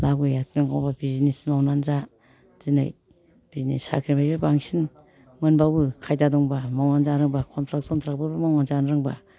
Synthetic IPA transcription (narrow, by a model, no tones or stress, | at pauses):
labɡɯjatʰnɯŋkʰawbabizinesmawnanza | z̥ina̰j | b̥izinḛsa̰kʰɾimajbabaŋsin | mɯnbabɯkʰajdadɔŋbamawnanzaɾɯŋbakʰɔntʰɾak̚tkʰɔnt̪ʰɾak̚babɯmawnanzanɾɯŋba̰